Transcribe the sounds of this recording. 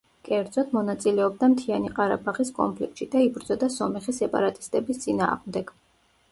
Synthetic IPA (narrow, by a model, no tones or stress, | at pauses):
kʼɛɾd̪zɔt̪mɔnat̪sʼilɛɔb̚d̪amt̪ʰianiqʼaɾabaʁiskʼɔ̰npʰlik̚t̪ʃid̪aibɾd̪zɔd̪asɔmɛχisɛpʼa̰ɾat̪ʼi̥st̪ʼɛbist̪sʼina̰ːʁmd̪ɛɡ̥